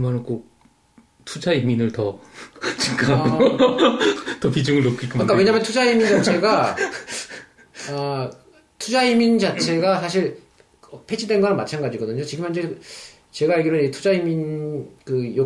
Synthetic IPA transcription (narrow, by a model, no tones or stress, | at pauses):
ɯmanɯnk͈ok̚ | tʰud͡ʑaiminɯɭtʌt͡ɕiŋk͈a | tʌpid͡ʑuŋɯɭnokʰik͈ɯmkakawe̞ɲamʌntʰud͡ʑaimint͡ɕat͡ɕʰe̞ɡa | ʌ | tʰud͡ʑaimint͡ɕat͡ɕʰe̞ɡasʰaɕʰiɭ | ʌpʰe̞d͡ʑʰidwe̞nɡanɯnmat͡ɕʰanɡad͡ʑiɡʌdɯɲot͡ɕiɡɯmjʌnd͡ʑe | t͡ɕe̞ɡaiɭɡiɾʌnid͡ʑetʰud͡ʑaiminkɯjo